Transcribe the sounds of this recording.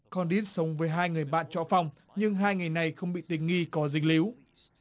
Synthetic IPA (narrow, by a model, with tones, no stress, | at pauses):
kɔ˧nɗi˦˥t̚sə˨˦wŋ͡mvəː˨˦jɦaː˧jŋɨ˨˩əjɓa̰ː˧˨nt͡ɕɔ̰˧˨fa˧wŋ͡m | ɲɨ˧ŋɦaː˧jŋa˨˩jna˨˩jxə˧wŋ͡mɓḭ˧˨t̪ï˨˩ŋ̟ŋi˧kɔ˨˦zï˧˩ŋ̟̚li˨˦w